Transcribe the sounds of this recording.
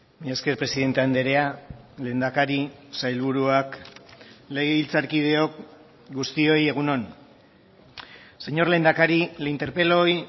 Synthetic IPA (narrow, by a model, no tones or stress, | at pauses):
miaske̞ɾpɾe̞siðe̞nt̪eand̪e̞ɾe̞ale̞ːnd̪akaɾisajlβuɾuak | le̞ɣeilt͡saɾkið̞e̞o̞k̚ | ɡust̪io̞je̞ɣ̞uno̞n | se̞ɲo̞ɾle̞nd̪akaɾilint̪e̞ɾpe̞lo̞j